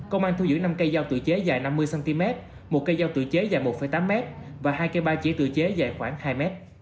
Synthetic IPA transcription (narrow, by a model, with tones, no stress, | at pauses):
kə˧wŋ͡mʔaː˧nt̪ʰu˧wzɨ̰˧˥˦na˧mkə˧jzaː˧wt̪ɨ̰˧˨əjt͡ɕe˨˦zaː˨˩jna˧mːɨ˧jsa˧nt̪i˧mɛ˦˥t̚ | mo˨˩t̚kə˧jzaː˧wt̪ɨ̰˧˨t͡ɕe˨˦zaː˨˩jmo˨˩t̚fə˧˩jt̪aː˨˦mːɛ˦˥t̚ | vaː˨˩ɦaː˧jkə˧jɓaː˧t͡ɕḭ˧˥t̪ɨ̰˧˨t͡ɕe˨˦zaː˨˩jxwaː˧˩ŋhaː˧jmɛ˦˥t̚